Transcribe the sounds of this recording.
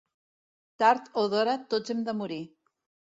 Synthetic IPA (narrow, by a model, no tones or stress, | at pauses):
t̪aɾt̪oðɔɾat̪od͡zemd̪əmuɾi